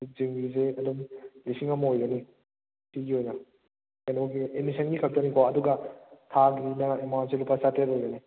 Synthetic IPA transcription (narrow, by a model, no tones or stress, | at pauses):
ziŋɡizeɐdumlisiŋɐmɐɦojɡɐni | tiɡiojnɐ | kanɔɡiemisɐnɡikʰɐp̚tɐnikʰowaːduɡɐtʰaɡinɐemanselupʰɐsateɾojɡɐni